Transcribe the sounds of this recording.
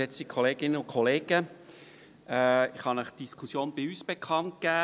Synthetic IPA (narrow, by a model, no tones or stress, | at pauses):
ɛt͡sikʰoleːɡ̥ɪnəʊnkʰɔleːɡ̥ə | ɛɪχhɑnəχd̥iskʰusjoːnb̥ɪyːsb̥ekʰɑnt̚kæː